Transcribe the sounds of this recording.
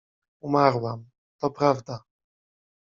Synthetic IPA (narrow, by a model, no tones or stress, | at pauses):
umaɾwam | t̪ɔpɾavd̪a